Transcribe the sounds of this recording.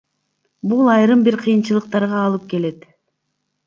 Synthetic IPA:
bulˠɑjɾɯmbiɾqʰɯjɯnt͡ʃɯlˠɯq̚t̪ɑɾʁɑːlˠɯp̚ke̞le̞t̪

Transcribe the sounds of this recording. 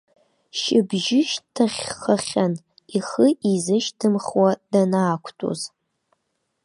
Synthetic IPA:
ʃɪbʒɪʃtʰaχʲχaχʲan | iχəʔizɨʃtʰɨmχwadanaːkʷʰtʼo̰z

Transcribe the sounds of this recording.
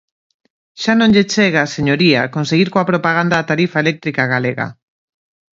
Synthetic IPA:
ʃanõŋʎet͡ʃeɣaseɲoɾia̰konseɣiɾkoapɾopaɣ̞and̪aːt̪aɾifaelɛk̚t̪ɾikaɣaleɣa̰

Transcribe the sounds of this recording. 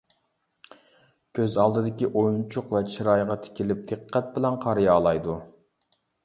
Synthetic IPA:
kʲʰøzɑlˠd̪ɨd̪ɪkʲiʔojunt͡ʃʰʊqvɛt͡ʃʰiɾɑjʁɑt̪ʰɪ̥kʲilɪp̚d̪̥ɨqʰːɛt̪̚bɪlɛnqʰɑɾijɑːlˠɑjd̪u

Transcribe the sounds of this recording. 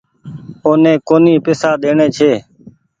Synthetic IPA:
oːnẽːkoːniːpɪsaːɗ̪eːɳẽːt͡ʃʰeː

